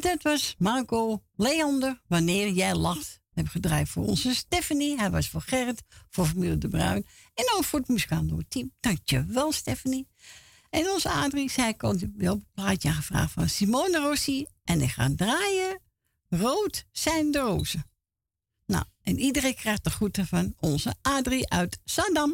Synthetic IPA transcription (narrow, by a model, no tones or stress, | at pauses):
d̥ɔtʋɔsmarkoːleɔndərʋanɪːrjɛjlaxt | hɛbəxədraːjfo̰ːrɔ̰nsəstɛfaniɦɛjʋɔsfoxɛrətfoːɹfamilˠdəbrœ̰ɥnɛnɔnfoətmuskaːno̰ːətʰimd̥aŋkjəʋɛlˠstɛfani | ɛnonzəaːdrisɛjkɔnəbɛɔpəplaːjtjãxəfra̰ːxtfɔnsimoːnərosi | ʔɛnɛxa̰ːdraːjə | roːtsɛjndəro̰ːzə | na̰wʔɛnidərekrɛxtəχutəfɔnɔnzəaːdriʔœɥtsadam